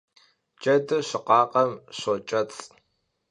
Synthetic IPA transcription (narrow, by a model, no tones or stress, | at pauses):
d͡ʒɐdɨɕɪqɑːqʼɐmɕot͡ʃʼɐt͡sʼ